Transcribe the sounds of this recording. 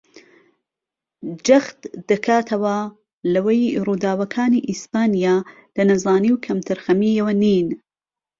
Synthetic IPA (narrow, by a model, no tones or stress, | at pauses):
d͡ʒɐxt̪d̪̥ɐkʰaːt̪ʰɐwɐ | lɐwejruːd̪aːwɐkʰaːniːʔispaːnijaː | lɐnɐzaːniːwkʰɐmt̪ʰɨɾxɐmiːjɐwɐniːn